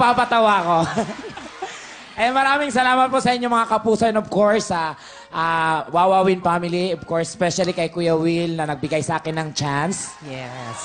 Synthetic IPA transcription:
papɐt̪ɐwaːko̞ | ʔɛmɐɾaːmɪŋsɐlaːmɐt̪̚posɐʔɪɲːomɐŋakɐpuːsɐnobkoɹsɐ | ʔawaːwaːwɪnpaːmɪliobkoɹsɛspɛʃɐlikɐjkʊjɐwilnɐnɐɡ̚bɪɡajsɐʔaːkɪnɐŋt͡ʃans | jɛs

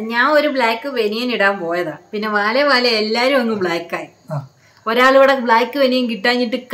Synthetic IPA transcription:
ɲaːno̞ɾubɭaːkːɨʋenijɐniɽaːmpo̞ːjɐðaːpinːe̞ʋaːleʋaːleelːaːɾumɐŋːɨbɭaːkːaːji | oɾaːɭuɣiɽebɭaːkːɨʋenijɐnkiʈːaːɲːiʈːɨk

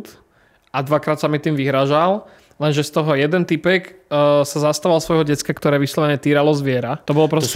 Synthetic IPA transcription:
t̪ | ad̪ʋakɾaːt̪samit̪iːmʋiɦɾaʒal | lɛnʒɛst̪ɔɦɔjɛd̪ɛnt̪ipɛkːsazast̪aʋalˠsʋɔjɦɔɟɛtt͡skakt̪ɔɾɛːʋislɔʋɛɲɛt̪iːɾalɔzʋɪɛɾat̪ɔbɔlɔpɾɔ

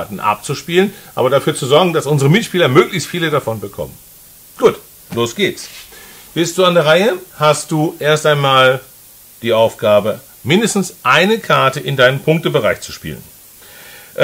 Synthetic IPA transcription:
tn̩ʔa̰p̚t͡suʃpiːlənʔa̰ːbɐdafyːɐt͡suzɔɐɡŋ̩dasʔʊnzəʁəmɪtʃpiːlɐmøːklɪçstfiːlədafɔnbəkʰɔ̰mən | ɡ̥uːt | loːsɡ̥eːts | v̥ɪlst̚d̥uːandɛɐʁaɪəhast̚d̥uːʔeːɐstʔaɪnmaːl | d̥iːʔaʊfɡ̥aːbə | mɪndəstn̩sʔaɪnəkʰaɐtəʔɪndaɪnəmnpʰʊŋk̚təbəʁ̞aɪçt͡su̥ʃpḭːlən

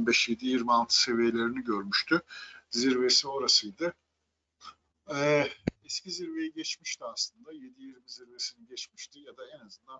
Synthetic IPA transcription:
bɛʃje̞d̪ijiɾmialˠt̪ʰɯ̥se̞vijelʲe̞ɾiniɟøɾmyʃt̪ʰyziɾve̞sio̞ɾasɯjd̪ɯ | ɛɛsciziɾve̞jɛɟɛt͡ʃmiʃt̪iaslˠɯnd̪aje̞d̪ijiɾmiziɾve̞siniɟɛt͡ʃmiʃt̪ʰijad̪aɛnazɯnd̪an

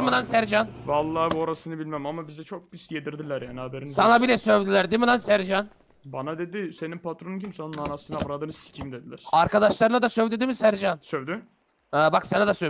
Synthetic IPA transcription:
milansæɾd͡ʒanvalˠːaːboɾasɯnɯbilʲmæmamabizɛt͡ʃʰo̞k̚bist̪ijed̪iɾd̪ilʲæɾjaːniabeɾinsanabilʲɛsø̞vd̪ilʲæɾd̪imilansæɾd͡ʒan | banad̪e̞d̪ɪse̞ninpʰat̪ɾonuncʰimsanunanasɯnavɾad̪ɯːnɯsi̥cʰimd̪ed̪ilʲæɾ̥aɾkad̪aʃlˠaɾɯnˠad̪asøvd̪yd̪imisæɾd͡ʒansøvd̪y | ɛːbaksanad̪asø

